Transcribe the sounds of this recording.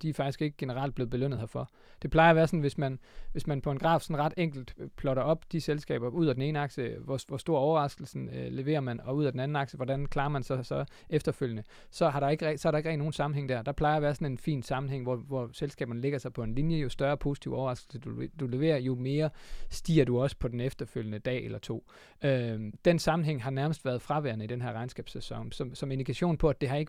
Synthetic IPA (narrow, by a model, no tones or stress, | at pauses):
d̥ifɑ̈ɡ̥isɡ̥e̝ɡ̥əɡ̥e̝nəʁɑ̈ld̚b̥le̝ːʊbe̝løn̰ð̩ˠhɒfɒ̽ | d̥e̝pʰl̥ɑ̈ɪɐʋæːɐsɒ̽n̩ʋe̝smænʋe̝smænpʰɒe̝nɡʁɑ̰̥̈ːsɒ̽nʁɑ̈d̥eŋ̰ɡ̥l̩d̥pʰlɒ̽ɾ̥ɐɒ̽b̥d̥iselsɡ̥ɛ̰ːb̥ɐuð̰ˠæd̥en̩e̝ːnəɑ̈ɡ̥ɕəʋɒʋɒsd̥o̝ːɐɒʊɐʁɑ̈sɡ̥l̩sn̩le̝ʋe̝̰ːɐmænɒ̽uð̞̰ˠædenæn̩ɑ̈ɡ̥ɕəʋɒd̥ænkʰlɑ̈ːɐmænsɑsɒ̽ | efd̥ɐføl̰jənə | sɒ̽ɦɑ̈ɾ̥ɑ̈e̝ɡ̥əʁsɒ̽æɾɑ̈e̝ɡ̥ʁɛ̰ɡno̝ːn̩sɑ̈mn̩ɦeŋ̰d̥æɐ̰d̥ɑ̈pʰlɑ̈ɪɐʋæːɐsɒ̽ne̝nfḭːnsɑ̈mn̩ɦeŋ̰ʋɒʋɒselsɡ̥ɛ̰ːb̥ɐnəle̝ɡ̥ɐsɑ̈ɪpʰɒ̽e̝nlinjəjo̝sd̥ɶɐpʰo̝ːsi̥t͡sʰiʊ̰ɒʊɐɑ̈sɡ̥l̩səd̥ud̥ule̝ʋe̝̰ːɐjo̝me̝ːɐsd̥ḭːɐduɒ̽sə̥pʰɒ̽d̥enefd̥ɐføljənəd̥ɛ̰ːelɐt͡sʰo̝̰ː | ød̥ensɑ̈mn̩ɦeŋ̰ɦɑ̈næɐməsd̥ʋæɐðˠfʁɑ̈ʋæɐnəid̥enɦæɐʁɑ̈ɪnsɡ̥ɛːb̥sesɒ̽ŋ̰sɒ̽msɒ̽me̝nd̥ikʰæɕo̝̰ːnpʰɒ̽æd̥e̝ɦɑ̈e̝ɡ̥